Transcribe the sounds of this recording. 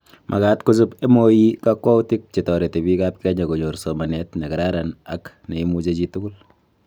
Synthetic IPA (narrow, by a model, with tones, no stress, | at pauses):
mʔa̰˨kaː˦tku˦s̬u˦pe˦mo˦ji˦kakwa˦u˦tɪ˦k̚t͡ʃe˨tɔ˨ɾe˨te˨bi˦kap̚kɛ˦ɲa˨ko˨ɲo˨ɾso˨ma˨nɛtne˨kɛ˨ɾa˦ɾana˨k | ne˨i˦mu˦t͡ʃe˦t͡ʃi˦tʊ˦kʊ˦l